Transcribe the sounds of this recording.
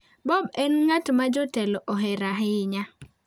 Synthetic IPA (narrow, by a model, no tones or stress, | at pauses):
bɔbɛnŋatmad͡ʒɔtɛlɔʔɔɦɛɾaɦɪɲa